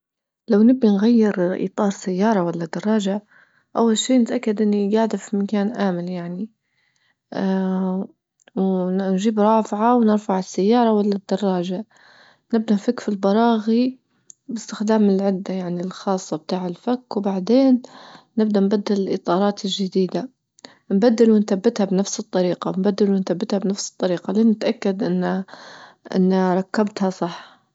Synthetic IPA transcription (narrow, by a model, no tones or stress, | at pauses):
lawnɪbːinɣajːɪɾʔḭːt̪ˤɑːɾˤsajːɑːɾˤɑwalːad̪ɑrˤɑːʒa | ʔawːalʃiːnɪt̪ʔakːad̪ʔɪnːiɡaʕd̪afimakaːnʔaːmɪljaʕni | wnʒiːbɾˤɑːfʕawnɪɾfaʕɪsːajːɑːɾˤɑwalːad̪ːɑrˤːɑːʒa | nɪb̚d̪anfakːfilbɑɾˤɑːɣi | bɪst̪ɪxd̪aːmɪlʕɪd̪ːajaʕnilxɑːsˤːɑb̚t̪aːʕɪlfakːwbaʕd̪eːnː | ɪb̚d̪anbad̪ːɪlɪlʔɨt̪ˤɑːɾˤɑːt̪ɪlʒad̪iːd̪a | nbad̪ːɪlwɪnθabːɪt̪habnafsɨt̪ˤːɑɾiːqɑnbad̪ːɪlwɪnt̪abːɪt̪habnafsɨ̥t̪ˤːɑɾiːqɑliːnɪt̪ʔakːad̪ʔɪnːa | ʔɪ̰nːɾˤɑkːabt̪hasˤɑħː